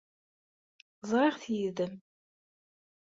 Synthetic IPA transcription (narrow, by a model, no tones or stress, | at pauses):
zˤʁɪʁθjiðəm